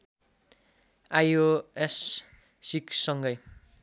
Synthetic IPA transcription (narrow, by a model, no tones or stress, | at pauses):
ajoes | siksʌŋɡʌj